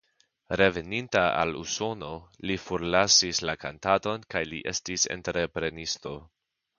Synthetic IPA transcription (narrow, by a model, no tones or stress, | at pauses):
ɾe̞ve̞nintaa̰lṵso̞no̞lifoɾlasislakantato̞nkajliʔe̞̰stise̞̰nteɾe̞pɾe̞nisto̞